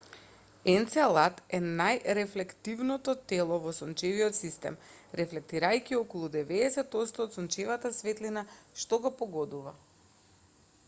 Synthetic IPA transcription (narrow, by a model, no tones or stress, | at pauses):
ɛnt̪salˠat̪ɛnajɾɛflɛkt̪ivnɔt̪ɔt̪ɛlˠɔvɔsɔnt͡ʃɛviɔt̪sist̪ɛ̰m | ɾɛflɛk̚t̪iɾajkiɔkɔlˠud̪ɛvɛdɛsɛt̪ot̪st̪ɔːt̪sɔnt͡ʃɛvat̪asvɛt̪linaʃt̪ɔɡɔpɔɡɔd̪uva